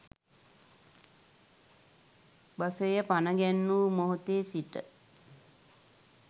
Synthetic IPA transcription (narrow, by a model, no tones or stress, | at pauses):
basəjəpanəɡɛnːuːmoɦot̪eːsiʈə̰